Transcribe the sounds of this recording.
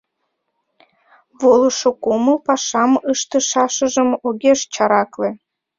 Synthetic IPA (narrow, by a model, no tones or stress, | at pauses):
βoləʃokoməlpɑʃɑməʃt̪ə̆ʃɑʃə̆ʒə̆moɣʲeʃt͡ɕɑɾɑklĕ